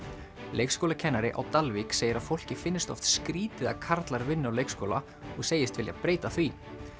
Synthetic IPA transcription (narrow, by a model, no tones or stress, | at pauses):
lʔejkskɔːlacʰɛnːaɾɪʔa̰wt̪alvikseːjɪɾaðfowl̥cɪfɪnːɪst̪ɔ̰ft̪skɾiːt̪ɪðakʰaɾt̪laɾvɪnːɪawlejkskɔːla | ɔɣseːjɪst̪vɪlja̰pɾeːjt̪aθvi